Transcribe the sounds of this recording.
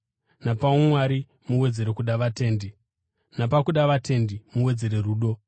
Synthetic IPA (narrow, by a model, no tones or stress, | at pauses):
napaumwaɾi | muwe̞d͡ze̞ɾekuɗaʋate̞ːndi | napakuɗaʋate̞ndimuwe̞d͡ze̞ɾe̞ruːɗo̞